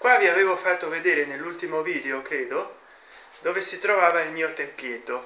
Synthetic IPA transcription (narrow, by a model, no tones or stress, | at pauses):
kwaviaveːvofat̪ːoved̪eːɾenelːult̪imoviːd̪eokɾeːd̪o | d̪oːvesit̪ɾovaːvailmiːot̪epːjet̪ːo